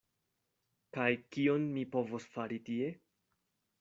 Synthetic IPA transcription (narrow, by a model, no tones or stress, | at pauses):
kajkio̞nmipo̞vosfaɾitie̞